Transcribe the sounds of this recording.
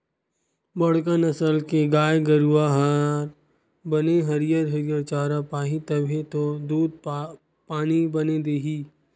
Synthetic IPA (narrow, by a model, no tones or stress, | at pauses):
bɐɽ̤kənɐsəlkeɡaːjɡəɾuaɦaɾ | bɐneɦɐɾijəɾɦɐɾijəɾt͡ʃaːɾapaːɦit̪ɐbʱet̪od̪uːd̪̚ | paːnibɐned̪eːɦiː